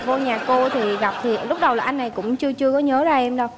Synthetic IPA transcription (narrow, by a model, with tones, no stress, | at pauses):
vo˧ɲaː˨˩ko˧t̪ʰi˨˩ɣa˨˩p̚t̪ʰi˨˩lʊ˦˥k͡p̚ɗə˨˩waː˨˩ʔa˧jŋna˨˩jkʊ̰˧˥ŋ͡mt͡ɕɨ˧ət͡ɕɨ˧əkɔ˨˦ɲəː˨˦zaː˨˩ʔɛ˧mɗə˧w